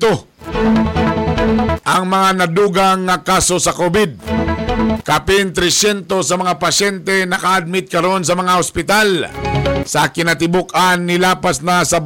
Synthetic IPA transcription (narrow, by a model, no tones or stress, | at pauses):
o | ʔɐŋmɐŋanɐd̪uːɡaŋːakasosɐkobɪd̪̚ | kapɪnt̪ɾɛsɛnt̪osɐmɐŋapɐsɛnt̪ɛnɐkaːd̪̚mɪt̪̚kɐɾo̞ns̬ɐmɐŋaospɪt̪al | sɐkɪnat̪̬ɪbokanːɪlaːpasnasɐ